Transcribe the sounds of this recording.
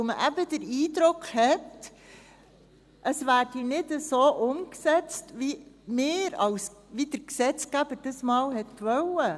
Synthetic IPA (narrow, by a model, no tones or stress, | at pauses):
oməʔæbəd̥əɾiːdɾʊkhɛt | ʔəsʋæːɾdinɪdəsoːʔʊmksɛt͡stʋimeːɾɑlsʋid̥əɾksɛt͡skæb̥əɾd̥əsmɑːlɦɛtʋœlə